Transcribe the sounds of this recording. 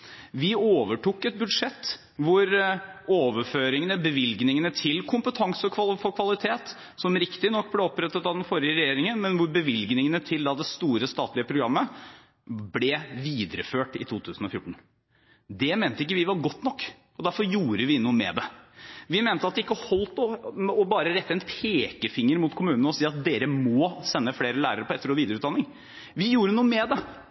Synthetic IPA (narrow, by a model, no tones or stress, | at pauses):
ʋɪoːʋəʈuːkːɛt̪̚bʉd̪ʂɛt̪ː | ʋʊɾoːʋəɾføːɾɪŋənəbəʋɪlɡnɪŋənət̪ʰɪlkʰʊmpət̪ʰɑŋsəkʰʋɑfɔɾkʰʋɑlɪt̪ʰeːt̪ | sɔmɾɪkt̪ɪnɔkːblɛɔpːɾɛt̪ːət̪ɑʋd̪ɛnfɔɾɪəɾɛjeːɾɪŋənmɛnʋʊɾbəʋɪlɡnɪŋənət̪ʰɪld̪ɑd̪ɛst̪uːɾəst̪ɑːt̪lɪəpʰɾʊɡɾɑmːə | blɛʋiːd̪əɾəføːʈɪ̰t̪ʰuːt̪ʰʉːsn̩ɔfjʊʈːɳ̩ | d̪ɛmeːnt̪əɪk̬ːəʋɪʋɑɾɡɔt̪ːnɔkː | ɔd̪æɾfɔɾjuːɾəʋɪnuːəmɛ̰d̪ɛʋɪmeːnt̪əɑt̪̚ɛɪkːəhɔlt̪ɔɔbɑːɾəɾɛt̪ːəɛnpʰeːkəfɪŋːəɾmʊt̪kʰʊmʉːnənəɔsiːɑt̪̚d̪eːɾəmɔːsɛnːəfleːɾəlæːɾəɾəpʰɔɛt̪ːəɾɔʋiːd̪əɾʉt̪d̪ɑnɪŋ | ʋɪjuːɾənuːəmɛd̪ɛ